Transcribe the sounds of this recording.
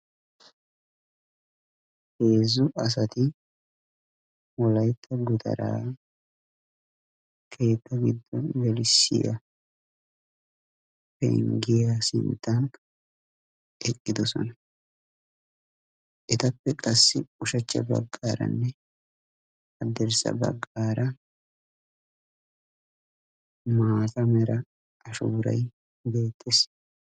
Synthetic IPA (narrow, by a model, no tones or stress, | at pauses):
he̞ːzʊʔɐs̬ɐt̪ɪ | wɔlɐjt̪ʰːɐɡʊd̪ɐ̰ɾa̰ː | kʰe̞ːt̪ːɐɡɪd̪ːɔnwɛlɪsɪ̰jɐ̰ | pɛ̰ŋɡɪjasɪ̰nt̪ːɐn | ɛkʼːɪd̪ɔsɔ̰nɐ | ʔɛt̪ɐpːɛkʼɐsːɪʊʃɐt͡ʃːɐ̰bɐ̰ɡːaːɾɐ̰nːɛ | hɐd̪ɛɾsɐ̰bɐ̰ɡːaːɾɐ | maːtɐmɛɾɐ | ʔɐʃuːɾɐ̰j | be̞ːt̪ʼːes